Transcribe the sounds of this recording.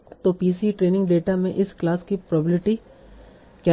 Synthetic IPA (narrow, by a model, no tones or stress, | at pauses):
t̪opiːsiʈɾeːnɪ̃ŋɡɖeːʈamẽʔɪsklaːskipɾɔbɪlɪʈi | ka